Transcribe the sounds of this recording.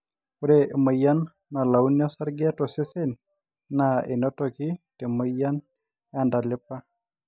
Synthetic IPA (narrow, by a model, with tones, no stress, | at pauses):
o˦ɾe˨mə˨ja˦nː | a˨la˨u˦njɔ˦sa˦ɾɡɪ˦a˦tɔ˨se˦se˦n | nae˨no˦toki˦te˨mə˦ja˦n | a˨nda˨lɪ˦pa˦